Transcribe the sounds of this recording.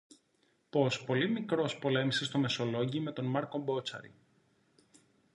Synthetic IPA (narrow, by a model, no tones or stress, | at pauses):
po̞spo̞limikɾo̞spo̞le̞misest̪o̞me̞so̞lo̞ʝime̞t̪o̞nmɐɾko̞mbo̞t͡sɐ̰ɾḭ